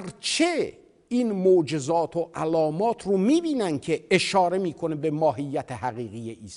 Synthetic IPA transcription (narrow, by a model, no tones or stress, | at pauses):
ɾt͡ʃʰe | iːnmod͡ʒezɒːt̪ʰoʔælɒːmɒːt̪ʰromiːbiːnæncʲʰeeʃɒːɾe̞miːkʰonebemɒːɦijːæt̪ʰeɦæɣiːɣijeʔiːs